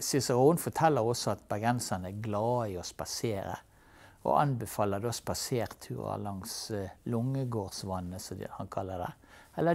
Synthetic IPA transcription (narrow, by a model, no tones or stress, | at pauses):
sɪsɑɾuːnfɔt̪ʰɛlːəʁɔsɔɑt̪bɑɡɛnsɑnəæɡlɑːiɔspɑseːɾə̰ | o̰ʔɑ̰nbɛfɑːləd̪oːspɑseːɾt̪ʰʉ̰ːʁɑ̰lɑŋslʊŋːəɡoːʁsʋɑnːəsɔhɑnkʰɑlːəd̪ɛ̰ | ɛlːə